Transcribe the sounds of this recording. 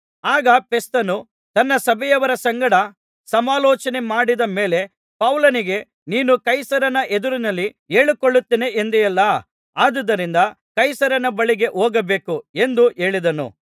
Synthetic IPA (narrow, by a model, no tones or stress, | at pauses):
aːɡɐpest̪ɐnu | t̪ɐnːɐsɐbʱɛjɐʋɐɾɐsɐŋɡɐɽɐ | sɐmaːlɔːt͡ʃɐne̞maːɽid̪ɐme̞ːle̞ | pɐwlɐniɡe̞ | niːnukɐjsɐɾɐnɐʔe̞d̪uɾinɐlːi | eːɭikoɭːut̪ːiːneʔend̪ijɐlːɐ | aːd̪ɐd̪ɐɾind̪ɐ | kɐjsɐɾɐnɐbɐɭiɡe̞ʔoːɡɐbe̞ːkue̞nd̪uʔe̞ːɭid̪ɐnṵ